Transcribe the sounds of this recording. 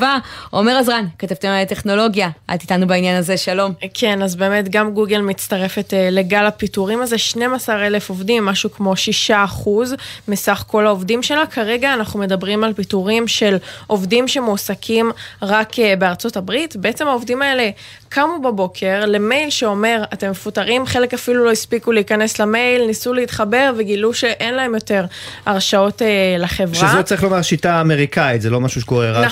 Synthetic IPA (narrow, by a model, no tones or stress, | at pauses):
vaomeʁazʁankatavt̪enalete̞χno̞lo̞ɡjaʔa̰t̪it̪anubainjanaze̞ʃalo̞mkʰe̞nazbe̞ːme̞tɡamɡuɡe̞lmit͡staʁe̞fe̞tele̞ɡalapituʁimazeʃne̞masaʁe̞le̞fo̞vdimːaʃukmo̞ʃiʃaːχuzmisaχko̞laovdimʃe̞lakʰaʁe̞ɡaːnaχnume̞dabʁimalpituʁimʃe̞lʔo̞vdimʃe̞musakʰimʁakbe̞aʁt͡so̞tabʁitbe̞et͡se̞maovdimae̞le̞ | kʰamubabo̞kʰe̞ʁle̞me̞jlʃeo̞me̞ʁate̞mːefutaʁimχe̞le̞kafilulo̞ispikuleikane̞slame̞jlnisuleit̪χabe̞ʁveɡiluʃe̞ʔe̞nlae̞mjote̞ʁaʁʃao̞telaχe̞vʁazot͡saɐʁiχlo̞maʁʃitaːme̞ʁikait̪zelo̞maʃuʃe̥koʁeʁa